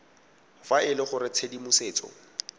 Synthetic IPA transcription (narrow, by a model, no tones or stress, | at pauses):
faɪlɪχʊɾɪt͡sʰedimuseːt͡sʼɔ̰